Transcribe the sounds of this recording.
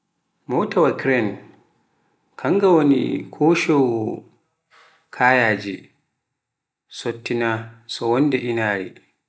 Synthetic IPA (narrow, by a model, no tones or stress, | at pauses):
mɔːtawakɾɛn | kʰaŋɡawonḭkʰoːʃɔwɔ | kʰaːjaːd͡ʒḭ | sɔtːinasɔwɔndɛʔinaːɾḭ